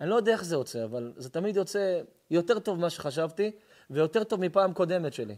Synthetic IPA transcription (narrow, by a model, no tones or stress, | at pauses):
anilo̞jod̪ɛaeχzejo̞t͡se̞avalzet̪amid̪jo̞t͡se̞ | jo̞te̞ʁt̪o̞vmaʃeχaʃavt̪i | vejo̞t̪e̞ʁt̪o̞vmipaːmko̞d̪e̞met̪ʃe̞lḭ